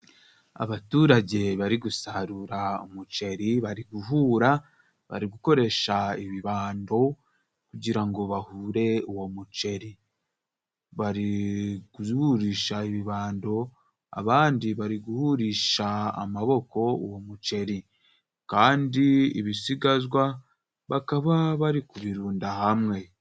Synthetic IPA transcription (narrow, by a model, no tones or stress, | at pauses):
a̰βatuːɾaɟe̞βaɾiɡusaɾuɾaomut͡ʃe̞ɾiβaɾiɡuɦuɾa | βa̰ɾiɡuko̞ɾe̞ʃaiβiβaːndo̞ | kuɟiɾaŋɡo̞βahuːɾe̞uwomut͡ʃe̞ɾi | βaɾiɡuhuɾiːʃaiβiβaːndo̞ | a̰βaːndiβaɾiɡuhuɾiʃa̰ːmaβo̞ko̞womut͡ʃe̞ɾi | kaːndiḭβisiɡazwa | βakaβaβaɾikuβiɾuːndahamŋe̞